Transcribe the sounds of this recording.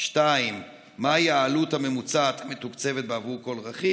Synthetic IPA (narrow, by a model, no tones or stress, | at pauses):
ʃtaimː | aajaːluthame̞mut͡sat̪met̪ukt͡se̞vet̪̚beavuko̞lʁaχi